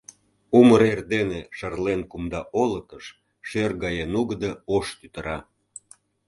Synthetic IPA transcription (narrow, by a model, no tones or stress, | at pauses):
uməɾerd̪eneʃərlenkumd̪ɑʔolət̪əʃ | ʃørɡɑjenuɣəd̪əoʃt̪yt̪əɾɑ